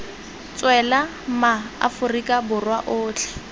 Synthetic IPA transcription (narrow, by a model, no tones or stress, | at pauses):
t͡sʼwɛla | maa̰fʊrikʼabʊrwaʔʊːt͡ɬʰɛ̥